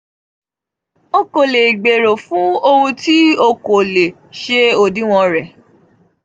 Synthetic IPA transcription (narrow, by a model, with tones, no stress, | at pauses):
o˦ko˨le˨i˨ɡ͡be˨ɾo˨fũ˨˦o˦wũ˧ti˦o˧ko˨le˨ | ʃe˦o˧dĩ˨˦w̃ɔ̃˧ɾɛ˨